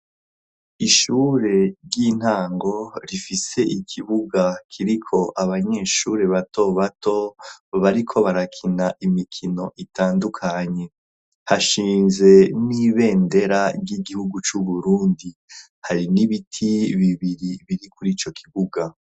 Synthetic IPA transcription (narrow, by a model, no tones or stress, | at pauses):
iʃuːɾe̞ɾɟin̥haːŋɡo̞ɾifise̞ʔikʰiβuɡakʰiɾikʰo̞ʔaβaɲe̞ːʃuɾe̞βato̞βato̞βaɾikʰo̞βaɾakʰinaʔimikʰino̞ʔitaːndukʰaɲe̞ | haʃiːnze̞niβe̞ːnde̞ɾaɟiɡihuɡut͡ʃuβuɾuːndi | haɾiniβitʰiβiβiɾiβiɾikuɾiːt͡ʃo̞kʰiβuɡa